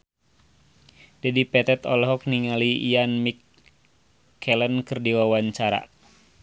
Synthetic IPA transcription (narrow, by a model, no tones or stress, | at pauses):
dɛdipɛt̪ɛt̪ɔlɦɔk̚niŋaliianmik | ɛlənkɨrdiwawaɲt͡ʃaɾa̰